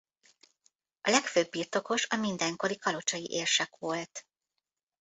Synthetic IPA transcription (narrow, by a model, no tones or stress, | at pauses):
ʔɒlɛkføːbːiːrt̪o̞ko̞ʃɒmind̪ɛŋko̞ɾikɒlo̞t͡ʃɒjiʔeːrʃɛkʋo̞lt̪